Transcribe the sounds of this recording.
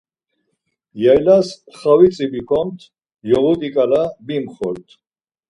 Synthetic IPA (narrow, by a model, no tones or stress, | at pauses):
jajlas | χawit͡sʼibikʰɔmt̪ʰ | jɔʁut̪ʼikʼalabimχɔɾt̪ʰ